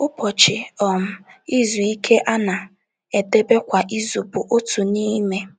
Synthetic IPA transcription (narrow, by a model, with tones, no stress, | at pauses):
ʊ˦pʰɔ˨t͡ʃɪ˨ɔ˨m̩˦i˦zu˨i˦kʰe˦ʔa˦na˨ | e˨de˦be˦kʷa˨ʔi˦zu˨bʊ˨ʔo˦tu˨niː˦me˦